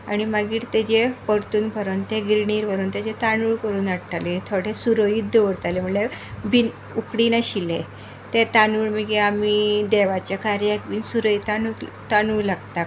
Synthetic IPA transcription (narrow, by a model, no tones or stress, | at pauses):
a̰ɽ̃imaɡiːʈt̪ed͡ʑepəɾt̪uːnpəɾənt̪eɡɾiɽiːɾʋəɾənt̪ed͡ʑet̪anuːɭkəɾuːnaɽʈalet̪ʰoɽesuɾəjiːt̪̚d̪eʋəɽt̪alem̤əɳlebin | ukɽinaɕile | t̪et̪anuɭməɡeamid̪ɛʋat͡ɕjakaɾjakbiːnsuɾəjt̪anu | t̪anuːlaɡt̪ak